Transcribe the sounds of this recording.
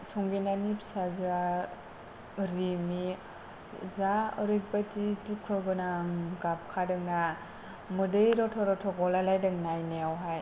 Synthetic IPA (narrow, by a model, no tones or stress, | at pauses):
sɔŋɡinanipsaza | ɾimi | zaɔɾik̚batitukʰːɯɡɯnaɡap̚kʰadɯŋna | mɯdɯjɾɔtʰɔɾɔtʰɔɡɔlalajdɯŋnajneawɦaj